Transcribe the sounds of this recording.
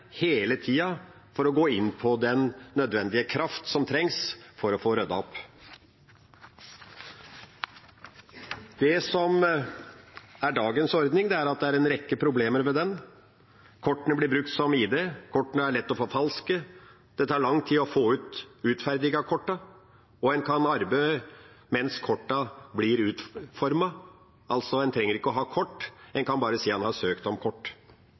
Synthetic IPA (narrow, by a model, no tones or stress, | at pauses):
heːlət̪ʰiːɑ | fɔɾɔɡoːɪnːpʰɔd̪ɛnːœd̪ʋɛnd̪ɪəkʰɾɑft̪sɔmt̪ʰɾɛŋsfɔɾɔfoːɾœd̪ɑɔp | d̪̥ɛsɔm | æɖɑːɡənsɔɾd̪nɪŋd̪ɛæɾɑt̪̚d̪ɛæɾɛnɾɛkːəpʰɾʊbleːməɾmɛd̪ɛn | kʰɔʈːənəblɪbɾʉk̚t̪sɔmiːd̪eːkʰɔʈːnəæɭɛt̪ːɔfoːfɑlskə | d̪̥ɛt̪ʰɑːɭɑŋt̪ʰiɔfoːʉːt̪ʉːt̪fæɾd̪ɪɡɑkʰɔʈːɑ | ɔɛnkʰɑnɑɾbe | mɛnskʰɔʈːɑblɪɾʉːt̪fɔɾmɑ | ɑlt̪sɔɛnt̪ʰɾɛŋːəɾɪkːəɔɦɑːkʰɔʈːɛnkʰɑnbɑːɾəsiːɑnhɑsøːkt̪ɔmkʰɔʈː